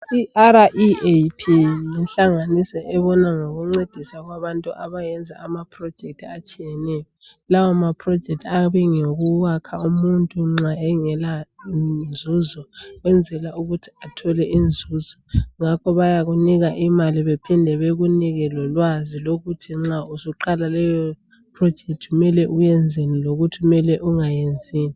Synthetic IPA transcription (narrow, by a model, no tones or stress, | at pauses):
iʔaɾaʔiepʰilɛnɬaŋanisɔʔɛβɔnaŋoɣuŋ͡ǀed̥ʱisaɣwaβantʼuʔaβajɛnd͡zʱaamapʰrɔd̥ʒ̥ʱek̚tʰiat͡ʃʼijɛnɛjɔlawɔmapʰrɔ̥d͡ʒ̥ʱɛk̚tʰaβiŋoɣuwakʰaumuntʼuŋ͡ǁaɛŋɛla | nd͡zʱuzɔɣwɛnd͡zʱɛlauɣutʰi̥atʰɔlɛʔind͡zʱuːz̥ɔŋakʰɔβajaɣuniɣaʔimaliβɛpʰindʱɛβeɣuniɣɛlɔlwaziloɣutʰiŋ͡ǁausuǃalalɛjɔ | pʰrɔd̥ʒ̥ʱek̚tʰiɣumɛlɛʔujɛnd͡zʱeniloɣutʰiumɛlɛʔuŋajend͡zʱiːni